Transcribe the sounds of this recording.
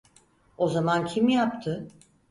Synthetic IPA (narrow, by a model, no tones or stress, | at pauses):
o̞zamancʰimjap̚t̪ʰɯ